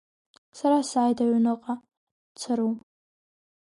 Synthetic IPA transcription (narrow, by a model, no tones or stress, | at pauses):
saɾasaːjdaɥnɨqʼa | t͡sʰɨɾum